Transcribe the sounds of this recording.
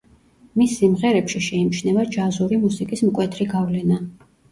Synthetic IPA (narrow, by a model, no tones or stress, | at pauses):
misːimʁɛɾɛpʃiʃɛimt͡ʃʰnɛvad͡ʒazuɾimusikʼismkʼwɛt̪ʰɾiɡavlɛna